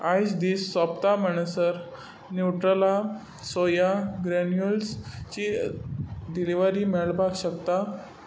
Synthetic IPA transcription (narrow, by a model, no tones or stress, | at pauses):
ajd͡ʑd̪iːsːapt̪aməɳ̃əsəɾ | nuʈɾəla | sojaɡɾɛnjulst͡ɕi | d̪iliʋəɾiːmɛɭbaɡɕəkt̪a